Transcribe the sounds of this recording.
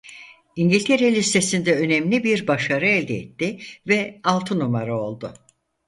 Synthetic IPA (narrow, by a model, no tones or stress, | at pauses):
iɲɟilʲt̪ʰeɾelʲist̪ʰe̞sind̪ɛø̞nɛmlʲibiɾbaʃaɾɯɛlʲd̪ɛɛ̰t̪ʰːɪvɛalˠt̪ʰɯnumaɾɯolˠd̪ʊ